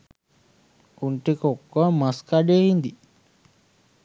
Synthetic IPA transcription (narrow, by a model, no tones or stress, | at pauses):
uɳʈikokːəmaskaɖeːhind̪i